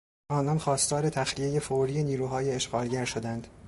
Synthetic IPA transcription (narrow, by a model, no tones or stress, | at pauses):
ʔɒːnɒnxɒːst̪ɒːɾe̞t̪ʰæxlije̞je̞foɾijeniːɾuːɦɒːjeːʃɢɒːlɟæɾʃod̪ænd̪̥